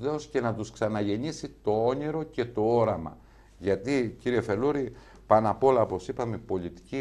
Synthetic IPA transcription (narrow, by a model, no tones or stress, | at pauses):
eosce̞nɐt̪usksɐnɐʝe̞ɲisit̪o̞o̞ɲiɾo̞ce̞t̪o̞o̞ɾɐmɐ̰ | ʝɐt̪iciɾie̞fe̞luɾi | pɐnɐpo̞lɐopo̞sipɐmepo̞lit̪i̥ci